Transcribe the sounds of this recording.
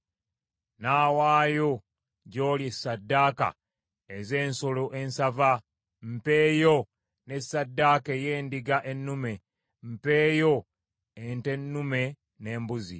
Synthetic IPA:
naːwaːjo̞ | ɟo̞ːljesːadːaːka̰ | eze̞ːnsoloʔe̞nsava | m̩pe̞ːjo | ne̞sːadːaːkeje̞ːndiɡaʔenːume̞ | m̩pe̞ːjo̞ | ente̞nːume̞ | ne̞ːmbuzḭ

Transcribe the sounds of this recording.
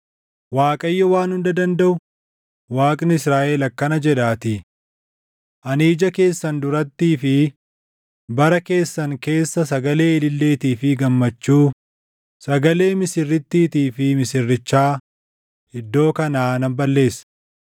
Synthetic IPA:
waːkʼɐjːɔwaːnhʊnd̪ɐd̪ɐnd̪ɐʔʊ | waːkʼnɪɪsɾaːʔelɐkːɐnɐd͡ʒɛᶑaːt̪ɪ | ʔɐniːd͡ʒɐke̞ːsːɐnd̪ʊɾɐt̪ːiːfɪ | bɐɾɐke̞ːsːɐŋke̞ːsːɐsɐɡɐle̞ːɛlɪlːe̞ːt̪iːfɪɡɐmːɐt͡ʃːuː | sɐɡɐle̞ːmɪsɪrːɪt̪ːiːt̪iːfɪmɪsɪrːɪt͡ʃːaː | ɪd̪ːo̞ːkɐnaːnɐmbɐlːe̞ːsː

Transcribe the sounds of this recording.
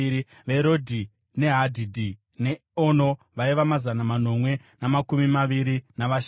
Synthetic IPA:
i | ʋe̞ɾo̞dʱi | ne̞ɦadʱidʱi | ne | ono̞ | ʋaiʋamazanamano̞mwe̞ | namakumimaʋiɾinaʋaʃ

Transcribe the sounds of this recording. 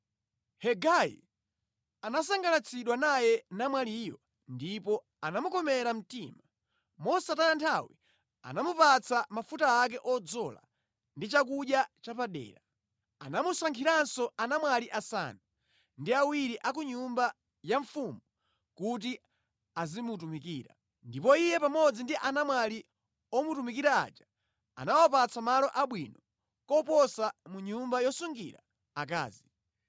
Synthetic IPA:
hɛɡaḭ | anas̬aŋɡalat͡sʰiɗwanajɛnamwalijɔ | ndipɔ | anamukɔmɛɾam̩tima | mɔsatanantʰawi | a̰namupat͡sʰamafutaːk̬ɛʔɔd͡zɔla̰ | ndit͡ʃakuɗjat͡ʃapaɗɛ̰ːɾa | anamusaŋkʰiɾansɔanamwaliʔasa̰nu | ndiawiɾiʔak̬uɲumba | jaɱfumu | kut̬i | azimut̬umikiːɾa̰ | ndipɔijɛpamɔd͡zindiʔanamwali | ɔmutumikiɾa̰ːt͡ʃḁ | a̰nawapat͡sʰamalɔʔaɓwinɔ | kɔpɔsamuɲumbajɔsuŋɡḭɾaː | k̬a̰ːzi

